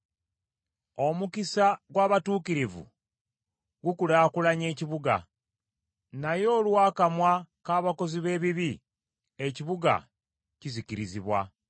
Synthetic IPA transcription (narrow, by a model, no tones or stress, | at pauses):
o̞mukisaɡwaːβatuːkiɾivṵ | ɡukulaːkulaɲe̞ːciβuɡa̰ | najo̞ːlwaːkamwakaːβako̞ziβe̞ːβiβi | eciβuɡa̰ | ciziciɾiziβwa̰